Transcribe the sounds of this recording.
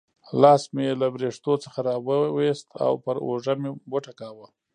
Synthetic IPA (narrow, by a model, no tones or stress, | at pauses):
lɑsmelabɾeʂt̪ot͡sə̥xaɾɑwəwest̪ʰa̰wpəɾoʐameboʈakawə